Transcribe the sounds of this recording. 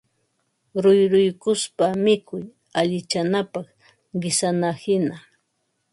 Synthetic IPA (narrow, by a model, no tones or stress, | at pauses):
ɾʊjɾʊjkʊspamɪkʊj | aʎɪt͡ʃanapɑχ | ɢɪsanahɪna